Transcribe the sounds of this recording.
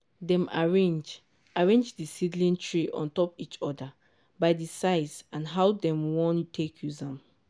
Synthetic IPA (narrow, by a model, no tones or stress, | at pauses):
dɛ̃maɹẽnd͡ʒ | aɹẽnd͡ʒdisidlĩntʰɹiʔɔ̰̃ntɔpit͡ʃɔda | baɪdisaɪsãnɦawdɛ̃mwɔ̃ntʰekʰjuzãm